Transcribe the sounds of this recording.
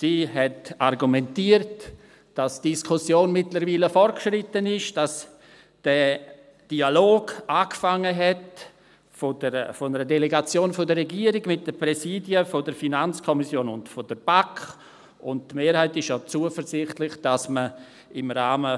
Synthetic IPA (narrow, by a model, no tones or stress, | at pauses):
siːɦɛtarɡumɛntiːəɾt | d̥asd̥iskʰʊsjoːnmɪtləɾviːləfɔrtkʃɾɪtːənɪʃd̥as | d̥ɛ | d̥ialoːɡ̥ʔaːkfaŋːəɦɛt | fodəɾfɔnəɾədɛleɡat͡sjoːnfodərɛɡiːəɾɪɡmɪt̚d̥əprɛsiːdjəfodəɾfinant͡skʰɔmisjoːnʊntfod̥əɾb̥akχ | ʊnttmeːɾhaɪtɪʃjat͡suəfəɾzɪχtlɪχd̥asmə | ɪmɾaːmə